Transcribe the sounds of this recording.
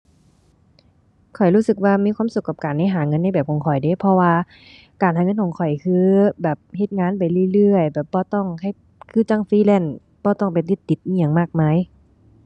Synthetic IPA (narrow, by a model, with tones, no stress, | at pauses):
kʰɔ˨˩jluː˧˥˩sɯ˧˩k̚waː˧miː˧˥kʰwaː˧˥˨msu˧kːa˧˩p̚kaː˨˩nːda˧˥˨ɦaː˨˦ŋɤ˧˥˨nːa˧˥˨bɛː˨˩p̚kʰɔ˨˦ŋkʰɔ˨˩jde˧˦pʰɔ˧waː˧ | kaː˨nɦaː˨˩˦ŋɤ˧˥˨nkʰɔː˨˩˦ŋkʰɔ˨˩jkʰɯː˧bɛː˨˩p̚he˧˩t̪̚ŋaː˧˥˨npa˨˩jlɯ˧˨lɯ˧˩əjbɛː˨˩p̚bɔː˧˦t̪ɔ˧˩ŋkʰa˧˩˨j | kʰɯː˧˥˨t͡ɕa˧˩˨ŋfiː˧˥˨lɛ˧˩˨n | bɔː˧t̪ɔ˧˩˨ŋp̬e˨˩t̪i˧˩t̪ːi˨˧˩t̪̚i˧˨ja˨ŋmaː˧˩k̚maː˧˥˨j